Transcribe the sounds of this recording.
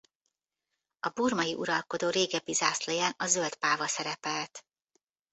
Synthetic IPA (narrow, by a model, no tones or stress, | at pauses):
ɒburmɒjiʔuɾɒlko̞d̪oːɾeːɡɛbizaːslɛjaːnɒzølt̪paːvɒsɛɾɛpɛlt̪